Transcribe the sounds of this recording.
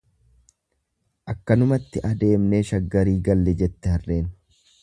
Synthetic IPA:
ʔɐkːɐnʊmɐt̪ːɪʔɐd̪e̞ːmneːʃɐɡːɐɾiːɡɐlːɛd͡ʒɛt̪ːɛhɐrːe̞ːn

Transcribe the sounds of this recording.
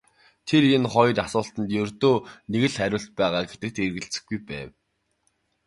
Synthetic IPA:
t̪ʰerenχɔjrasʊːɬt̪ə̆nt̪jɵrt̪oːneɣɘ̆ɮæɾʲʊːɮt̪̚pæːʁaːɡet̪ɘ̆k̚t̪erɣɘ̆ɮt͡sɘ̥̆xɡujpæ̰ːw

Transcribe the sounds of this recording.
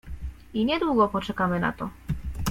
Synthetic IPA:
iɲɛd̪wuɡɔpɔt͡ʂɛkamɘna̰t̪ɔ

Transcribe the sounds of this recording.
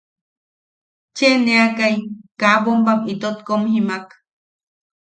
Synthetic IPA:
t͡ʃeneakajkapombamit̪ot̪komhimak

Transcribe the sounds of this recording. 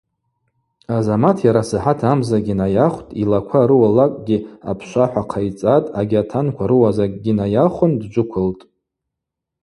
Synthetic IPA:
azamatʰjaɾasɨħatʰamzaɡʲinajaχʷtʼilakʷʰaɾɨwalakʼɡʲia̰pʰʃʷaħʷaqʰajt͡sʼatʼaɡʲatʰankʷʰaɾɨwazakʼɡʲinajaχʷʊndd͡ʒʷʊkʷʰʊltʼ

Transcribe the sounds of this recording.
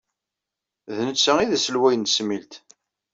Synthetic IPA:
ðnət͡sːæiðæsəlwæjənəsmilt̪

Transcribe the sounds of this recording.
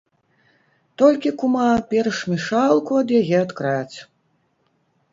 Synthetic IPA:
t̪ɔlʲkʲikumapʲɛrʂmʲiʂalˠkuɐd̪jaɣʲɛɐt̪kɾat͡sʲ

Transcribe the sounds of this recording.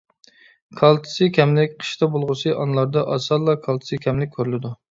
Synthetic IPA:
kʰɑlˠt̪ʰɨ̥sɨkʲʰɛmlɪkʲqʰə̥ʃt̪ɑbolˠʁəsɨʔɑnlˠɑɾd̪ɑʔɑsɑlˠːɑkʰɑlˠt̪ʰɨ̥sɨkʲʰɛmlɪk̚ʲʰːøɾylɪd̪u

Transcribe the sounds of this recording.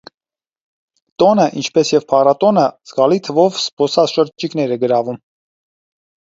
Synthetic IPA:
t̪ɔnəʔint͡ʃʰpɛsjɛvpʰɑrɑt̪ɔnəz̥ɡɑlit̪ʰəvɔvspɔsɑt͡sʃəɾt͡ʃikn̪ɛɾɛɡəɾɑvum

